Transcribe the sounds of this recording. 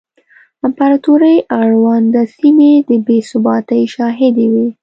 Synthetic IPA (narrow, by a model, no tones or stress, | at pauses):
ampaɾɑt̪uɾəjʔaɽwand̪əsimed̪əbesʊbɑt̪əjʃɑɦɪd̪ewi